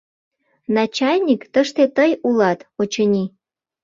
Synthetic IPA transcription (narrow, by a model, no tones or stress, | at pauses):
nɑt͡ɕɑlʲnʲikt̪əʃt̪et̪əjulɑt̪ot͡ɕənʲi